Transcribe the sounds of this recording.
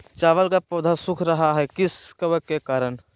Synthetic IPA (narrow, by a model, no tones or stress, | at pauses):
t͡ʃaːʋəlkapoːd̪ʱasʊkʰɾəɦaɦɛkɪskəbəkekaːɾən